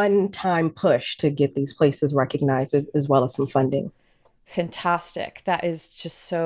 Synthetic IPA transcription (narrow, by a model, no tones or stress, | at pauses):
ʌ̃ntʰãɪ̃mpʰʊʃtʰɨɡɛt̪̚ðiz̥pʰl̥eɪsɨzɹɛkɨɡ̚naɪzdɨɨzwɛlˠəz̥sʌ̃ɱfʌ̃ndɪ̰̃ŋ | fæ̃ntʰæstɪ̰kðɨɾʔɪzd͡ʒʌstsoʊ